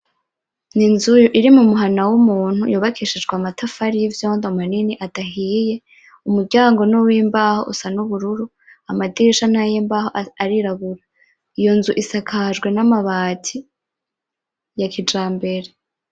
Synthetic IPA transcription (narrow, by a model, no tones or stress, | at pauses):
ninzujʔiɾimumuɦanawumuːn̥hujuːβakʰiːʃid͡ʒɡwamatʰafaɾijivjoːndo̞maniniʔataɦije̞ | umuɾɟaːŋɡo̞nowiːmbaːho̞̰ʔṵsanuβuɾuɾu | amadiːʃanajembahoaɾiɾaβuɾa | ijo̞nzuʔisakʰaʒɡwe̞namaβaːtʰi | jakʰid͡ʒaːmbe̞ɾe